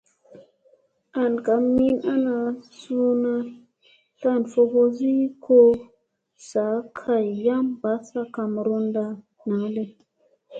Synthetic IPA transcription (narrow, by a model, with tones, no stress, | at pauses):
a˨nka˨mːi˦na˦na˧su˦na˦ | ɬa˦˨nfo˧ɡo˦zi˦kʰo˦ | sa˨˦kʰa˨jja˦mba˨˦sa˦ka˨m˨ɾu˦nda˧ | na˨˦le˦